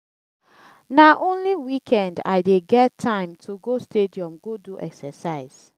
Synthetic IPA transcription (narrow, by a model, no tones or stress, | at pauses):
naʔõnliwikʰɛ̃nda̰ɪdeɡɛttʰːãɪ̃mtʰuɡostediɔ̃mɡoduʔɛksɛsaɪz̥